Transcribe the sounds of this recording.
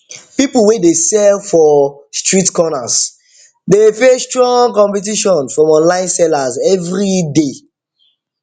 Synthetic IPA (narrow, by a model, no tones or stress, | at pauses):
pipl̩wedesɛlfɔstɹitkɔnas | depestɹɔ̃ŋkɔ̃mpɛt̬iʃɔ̃nfɹɔ̃mɔ̃nlãɪ̃nsɛlazɛvɹide